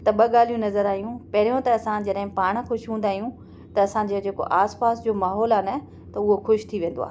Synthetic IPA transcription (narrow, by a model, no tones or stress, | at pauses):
t̪ɐɓɐɠaːl̤ijũnɐzəɾaːɦijũpɐɦɪɾijõt̪ɐːsãd͡ʑɐɗɦɪ̃paːɽ̃xʊʃɦũːnd̪aːijũ | t̪ɐɐsãd͡ʑed͡ʑeːko̰ʔaːspaːsd͡ʑoːmaːɦɔːlaːnɐ | t̪ɐʊɦoxʊʃt̪ʰiʋẽːn̆d̪o̰a̰ː